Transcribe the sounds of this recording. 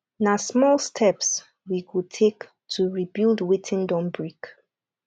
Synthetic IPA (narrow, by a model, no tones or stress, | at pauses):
nasmɔlstʰɛps | wikutʰek | tʰuɹibildwitʰɪ̃ndɔ̃mbɹik